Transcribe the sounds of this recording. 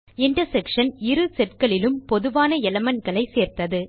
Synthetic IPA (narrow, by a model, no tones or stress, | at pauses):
ɪɳʈɐsɛkʂɐnɪɾɯsɛʈkɐɭɪlɯmpɔðɯʋaːnɐɛlɐmɐnɡɐɭɐɪseːɾt̪ɐðɯ